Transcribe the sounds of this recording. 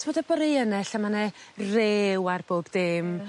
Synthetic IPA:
oːdəbɔɾejənɛɬamanɛreːwarb̥oːbdɪm

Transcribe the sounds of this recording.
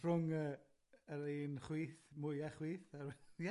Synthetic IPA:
frʊŋə | əɾeːnχwiːθmʊjaχwiːθarwɛjɛ

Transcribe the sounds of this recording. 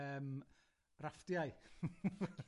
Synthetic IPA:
əːm | rafd̥jaj

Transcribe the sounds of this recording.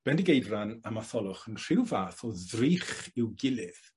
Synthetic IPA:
b̥ɛndɪɡejdranamaθɔlˠʊχənr̥ɪwvaːθɔðriːχɪwɡɪlɪð

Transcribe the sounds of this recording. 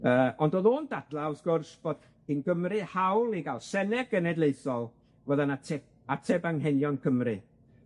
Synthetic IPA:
əːɔndoːðoːndadlˠaɔsɡ̥ʊrsb̥oːd̥ | inɡəmrɨhawlˠiɡalˠsɛnɛɡənɛdlˠeɨθɔlˠ | wəðanatʰɛb̚ | atʰɛbaŋɦɛnjɔnkʰəmrɨ

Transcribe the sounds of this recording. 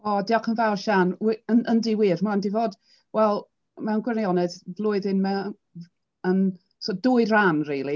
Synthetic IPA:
ɔdiɔkʰənvawrʃanwənʔəndiwiːrmandivoːd | wɛlˠ | mɛwnɡwɛrnjɔnɛðvlˠʊːɨðɪnmɛ | ən | sʰɔdʊːɨɾanriːlˠi

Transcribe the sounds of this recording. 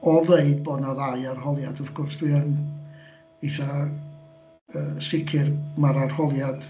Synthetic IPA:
ɔveɨdbɔdnaðaɨarɦɔlˠjad̥ɔvɡ̥ʊrsd̥wiən | iθa | əːsɪkʰɪrmaɾarhɔlˠjad̥

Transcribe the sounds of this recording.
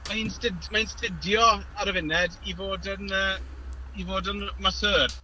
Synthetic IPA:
mainstɪdmaɪnstɪdjɔaɾəvɪnɛdivoːdənəː | ivoːdənmasəːr

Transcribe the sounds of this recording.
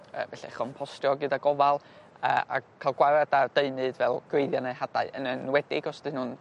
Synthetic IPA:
ə̰ːvɛɬɛ̰χɔnpʰɔstrjɔɡɨdaɡɔvalˠ | ə̰ːa̰kʰalˠɡwaɾadad̥eɨnɨdvɛlˠɡ̥wejðjanehada̰ɨʔə̰nənwɛdɪɡɔsd̥ɨnhʊn

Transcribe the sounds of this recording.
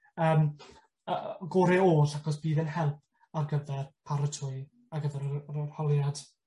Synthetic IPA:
əːm | əɡoːɾɪoːɬakɔs̬b̥iːðɛnɦɛlˠp̚ʰ | arɡəvɛrpʰaɾətʰʊɨ | aɡəvɛɾərhɔlˠjad̥

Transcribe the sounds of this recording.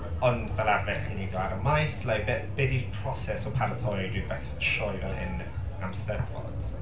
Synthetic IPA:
ɔndvɛlˠarvɛɬiniwdɔaɾəmajslajbɛbɛdipʰrɔsɛsɔpʰaɾətʰɔjdibɛθʃɔivɛlˠhɪn | amstɛdvɔ̰d̥

